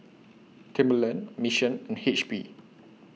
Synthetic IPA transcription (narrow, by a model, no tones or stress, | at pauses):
tʰɛ̃mbələ̃nmiʃə̃nɛ̃nhet͡ʃbḭ